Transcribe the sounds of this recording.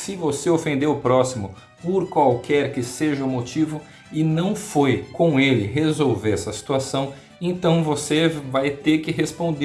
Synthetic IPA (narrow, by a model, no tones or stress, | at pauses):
sɪvoseofẽnd̪ewʊpɾɔsimʊ | poɾkwawkɛɾkɪseʒɐʊmot͡ʃivʊ | ɪnɐ̃w̃fojkõw̃elɪɦezowveɛsɐsi̥t̪uasɐ̃w̃ | ẽnt̪ɐ̃w̃vosevajt̪eɾkɪɦespõnd̪e